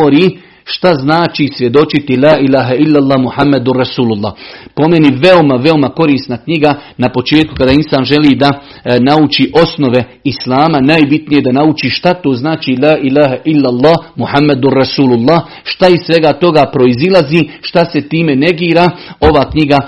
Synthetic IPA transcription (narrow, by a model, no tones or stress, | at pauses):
oɾiː | ʃt̪aznaːt͡ʃiːsʋje̞d̪o̞t͡ʃit̪ilaːʔilaːɦailːalˠːaːmuħamːad̪urasuːlulˠːa̰ːpo̞meniʋe̞o̞maʋe̞o̞mako̞ɾiːst̪nakɲiɡanapo̞t͡ʃe̞ːt̪̚ku̥kad̪aːinsaːnʒe̞liːd̪a | naut͡ʃiʔo̞sno̞ʋe̞ | islaːmanaːjbit̪nije̞d̪anaut͡ʃiːʃt̪at̪oːznaːt͡ʃiːlaːʔilaːɦaʔilːalˠːɑːhmuħamːad̪urasuːlulˠːaːh | ʃt̪aissʋe̞ɡat̪o̞ɡapɾo̞izilˠaziːʃt̪ase̞t̪iːme̞ne̞ɡiːɾaːo̞ʋaːkɲiɡa